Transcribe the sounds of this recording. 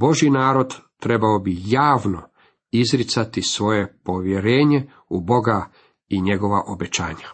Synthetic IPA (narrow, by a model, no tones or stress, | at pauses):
bo̞ʒjinaːɾo̞d̪t̪ɾe̞baobijaːʋno̞ | izɾit̪sat̪isʋo̞je̞po̞ʋjeɾeːɲe̞ | ubo̞ɡa | iɲe̞ɡo̞ʋaʔobet͡ɕa̰ːɲa